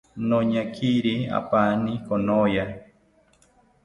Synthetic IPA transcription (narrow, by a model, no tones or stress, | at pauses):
noɲakʰiɾia̰panikonoja